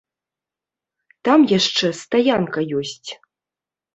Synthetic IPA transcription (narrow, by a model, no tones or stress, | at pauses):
t̪amjaʂt͡ʂɛst̪ajankɐjɔsʲt͡sʲ